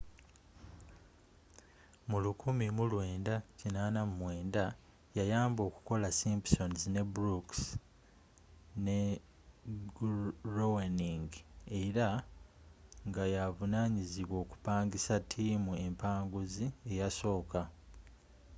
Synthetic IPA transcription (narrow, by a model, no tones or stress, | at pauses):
mulukumimulwe̞ːndacinaːnamumwe̞ːnda | jajaːmbo̞ːku̥ko̞lasimpso̞nzine̞bɾuks | ne̞ | ɡɾoweniŋɡe̞ɾa | ŋɡajavunaɲiziβwo̞ːku̥paːŋɡisatʰiːmue̞mpaːŋɡuzie̞jaso̞ːka